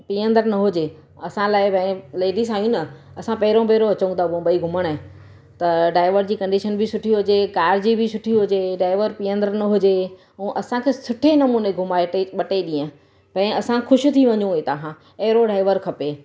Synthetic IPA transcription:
piːə̃nd̪əɾnɐɦʊd͡ʑe | ɐsãlaːɪpɐ̃ɪ̃leːɖis̬ãːijũnɐ | ɐsãpɐɦɪɾõpeːɾoɐt͡ɕũnd̪aõbəiɡʱʊməɽ̃ɦẽ | t̪ɐɖaːɪʋəɾd͡ʑiːkɐ̃ɳɖiʃənbʱɪsʊʈʰiɦʊd͡ʑekaːɾd͡ʑibɪsʊʈʰiɦʊd͡ʑeɖaːɪʋəɾpiːə̃nd̪əɾnɐɦʊd͡ʑe | ũːʔɐsãkʰesʊʈʰenɐmuːneɡʱʊmaːɪʈeɓɐʈeɗĩːə̃ | pɐ̃ɪ̃ɐsãxʊʃʊ̆t̪ʰiʋɐ̃ɲũɦet̪ɐɦã | eːɾoɖaːɪʋəɾkʰɐpe

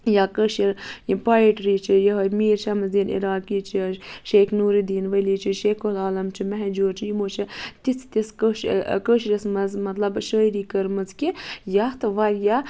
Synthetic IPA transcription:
jakəʃiɾjipajiʈɾiːt͡ʃʰijɐɦmiːɾt͡ʃʰɐmɐzd̪iːnḭɾaːkiːt͡ʃʰiʃeːknuːɾid̪iːnʋɐliːt͡ʃʰiʃeːkʰulaːlɐmt͡ʃʰimɛɦɛd͡ʒuːɾt͡ʃʰijimoːt͡ʃʰit̪it͡sʰt̪iskəʃkəʃɾɐsmɐzmɐt̪lɐbʃəːɾiːkəɾmɐzkʲijɐt̪ʋɐɾja

